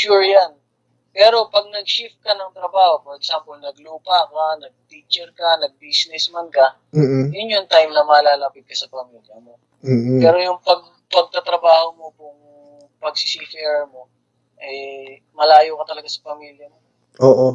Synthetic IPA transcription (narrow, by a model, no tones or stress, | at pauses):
ʃuɹjan | pɛːɾo̞pɐɡ̚nɐɡ̚ʃɪf̚kɐnɐŋt̪ɾɐbaːho̞poɾɛɡsampolnɐɡluːpakanɐɡ̚t̪iːt͡ʃɛɾkɐnɐɡ̚bisnɛsmɐnkɐ | m̩ːjʊnjont̪ajmnɐmɐːlaːlapɪt̪̚kɐsɐpɐmiːljɐmo̞ː | pɛːɾo̞jʊŋpɐɡ̚ | pɐɡ̚t̪ɐt̪ɾɐbaːhomo̞pʊŋ | pɐɡ̚sisifɛːɹmo̞ | ʔɛ | mɐlaːjokɐt̪ɐlɐɡasɐpɐmiːljɐmo | ʔoːʔo